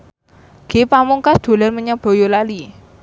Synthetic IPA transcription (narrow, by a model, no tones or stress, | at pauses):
ɡ̥epamuŋkasd̪̥o̤lanməɲab̥o̤jolali